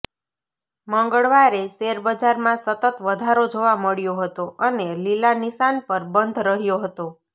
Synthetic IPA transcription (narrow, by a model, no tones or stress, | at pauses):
məŋɡəɭʋaɾeseɾbəd͡ʒaɾmãsət̪ət̪ʋəd̪ʱaɾod͡ʒoʋaməɭjoɦət̪oʔənelilanisanpəɾbənd̪ʱɾəɦjoɦət̪o